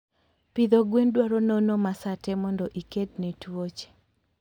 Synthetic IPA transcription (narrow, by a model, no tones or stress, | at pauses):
pid̪ɔɡwendwaɾɔnonɔmasatɛmɔndɔʔikednetwot͡ʃe̥